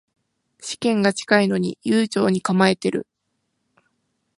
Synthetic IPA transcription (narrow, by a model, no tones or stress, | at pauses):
ɕi̥kẽ̞ŋɡat͡ɕi̥kaino̞ɲ̟ḭjɨːt͡ɕo̞ːɲ̟ikamae̞t̪e̞ɾɯ̟̰